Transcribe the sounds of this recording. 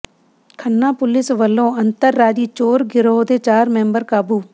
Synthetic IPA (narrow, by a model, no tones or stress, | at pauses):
kʰənːãːpʊlɪsʋəlːõːənt̪əɾːaːd͡ʒiːt͡ʃoːɾɡɪɾoːd̪eːt͡ʃaːɾmɛ̃ːmbəɾkaːbuː